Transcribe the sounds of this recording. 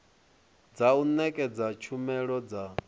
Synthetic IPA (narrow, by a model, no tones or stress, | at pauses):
d͡zaunɛkʼɛd͡zat͡ʃʰumɛɺɔd͡za